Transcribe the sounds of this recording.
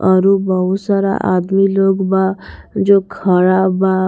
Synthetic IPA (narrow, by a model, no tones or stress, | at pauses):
ʌɾubʌɦusaɾa̰ʔad̪miloɡbad͡zokʰʌɽaba